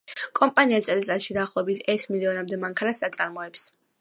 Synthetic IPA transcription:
kʼɔmpʼaniat̪sʼɛlit̪sʼɛɾʃid̪aːχlˠɔɛbit̪ʰɛɾt̪ʰmiliɔnamd̪ɛmaŋkʰanasat̪sʼaɾmɔɛps

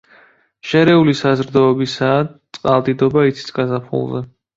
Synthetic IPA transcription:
ʃɛɾɛulisazɾd̪ɔːbisaːt̪sʼqʼalˠd̪ʼid̪ɔbait̪sʰi̥t̪sʰɡazapʰṵlˠzɛ

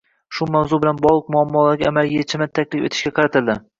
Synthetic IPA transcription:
ʃʊmawzʊbɪlanbɒlˠɨq̚mʊamːɒlaɾɡʲaamalɡʲijet͡ʃʰɪmɪt̪ʰakʲlɪfe̞t̪ʰɪ̥ʃkʲaqʰɑɾat̪ʰɪld̪ɪ

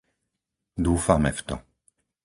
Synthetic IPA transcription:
d̪uːfamɛft̪ɔ̰

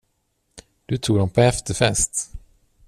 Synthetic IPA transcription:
d̪̥ɵt̪ʰuːɡd̪ɔmpʰɔɛft̪əfɛst̪

